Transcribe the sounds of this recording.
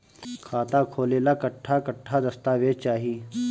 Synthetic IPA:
kʰaːt̪akʰoːleːlakəʈʰːakəʈʰːad̪ɐst̪aʋet͡ʃaːɦiː

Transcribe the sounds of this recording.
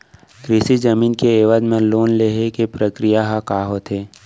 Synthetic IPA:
kɾɪsid͡ʒəmiːnkeeːʋəd̪mẽloːnleːɦekepɾəkɾijaɦakaːɦot̪ʰeː

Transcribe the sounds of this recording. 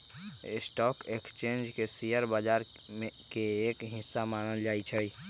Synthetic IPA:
ɪsʈɔːkekst͡ʃẽːnd͡ʒkesiːjəɾbaːd͡ʒaːɾ | ekeeːkɦɪsːamaːnəld͡ʒaːit͡ʃʰəiː

